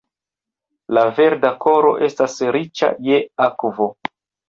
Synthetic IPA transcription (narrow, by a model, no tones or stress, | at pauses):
lave̞ɾdakʰo̞ɾo̞̰ʔe̞stasɾit͡ʃa̰je̞akvo